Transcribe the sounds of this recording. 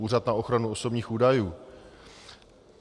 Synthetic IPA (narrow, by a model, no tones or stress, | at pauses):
uːrat̪nao̞xɾanuoso̞bɲiːxʔuːdajuː